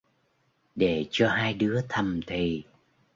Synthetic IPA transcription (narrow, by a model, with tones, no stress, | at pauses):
ɗe˧˩t͡ɕɔ˧ɦaː˧jɗɨ˨˦ət̪ʰə˨˩mt̪ʰi˨˩